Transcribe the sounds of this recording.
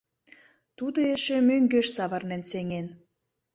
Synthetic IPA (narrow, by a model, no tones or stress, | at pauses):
t̪ud̪oeʃemøŋɡøʃsɑβərnenseŋen